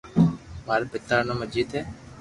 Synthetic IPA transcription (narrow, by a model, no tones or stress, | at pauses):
maːɾpɪt̪aːɾnə̃məd͡ʒiːd̪eː